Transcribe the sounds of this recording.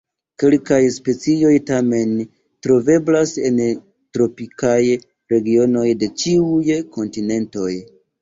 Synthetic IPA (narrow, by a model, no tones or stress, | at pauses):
ke̞lkajspe̞t͡sio̞jtame̞n | tɾo̞ve̞blase̞n | tɾo̞pikaj | ɾe̞ɡio̞no̞jde̞t͡ʃiujko̞ntine̞nto̞j